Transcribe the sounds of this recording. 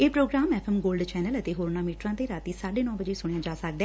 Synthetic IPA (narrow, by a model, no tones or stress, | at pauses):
eːpɾoːɡɾaːmɛːpʰɛmɡoːlɖt͡ʃɛːnələt̪eːɦoːɾnaːmiːʈɾãːt̪eːɾaːt̪iːsaːɖeːnɔ̃ːbəd͡ʒeːsʊɽ̃ejãːd͡ʒaːsək̚d̪ɛː